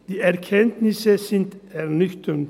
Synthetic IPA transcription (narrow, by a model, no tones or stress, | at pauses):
d̪̥iːæɾkʰɛnt̪nɪsəsɪnt̪æɾnʏçt̪ʰən